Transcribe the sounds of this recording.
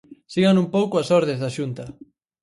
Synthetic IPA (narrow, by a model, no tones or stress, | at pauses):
siɣanumpowkoasɔɾðezðaʃunt̪ɐ